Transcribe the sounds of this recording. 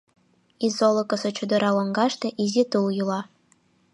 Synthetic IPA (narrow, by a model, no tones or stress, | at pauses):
izolˠokɤ̆sɤ̆t͡ɕud̪ɤ̆ɾɑwŏŋɡɑʃt̪ĕʔizʲit̪uljulɑ